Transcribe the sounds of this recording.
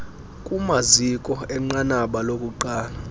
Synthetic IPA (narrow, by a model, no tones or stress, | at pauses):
kʼumazikʼɔɛŋ͡ǃanaɓalokʼuǃaːla